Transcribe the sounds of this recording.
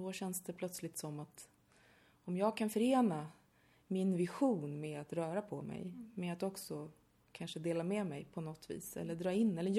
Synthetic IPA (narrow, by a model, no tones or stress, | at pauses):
ɔɕɛnsd̪ɛpʰlœt̪slɪt̪sɔmːat̪ | ɔmjɑːɡ̚kʰanfœɾeːna | mɪnvɪɧuːnmɛat̪ɾœːɾapʰɔmɛ̰jmɛat̪ɔksɔ | kʰanʂəd̪eːlamɛmɛjpʰɔnɔt̪ːvḭːsɛ̰lːəd̪ɾɑːɪnːɛlːəj